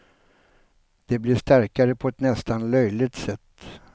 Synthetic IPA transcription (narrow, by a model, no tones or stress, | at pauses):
d̪̥ɛblɪʂt̪æɾkaɾəpʰɔɛt̪nɛst̪anlœjlɪɡ̚t̪sɛt̪ː